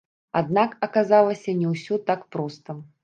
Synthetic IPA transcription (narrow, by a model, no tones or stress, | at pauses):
a̰d̪̚nakɐkazalˠɐsʲɐnʲɛwsʲɔt̪akpɾɔst̪ɐm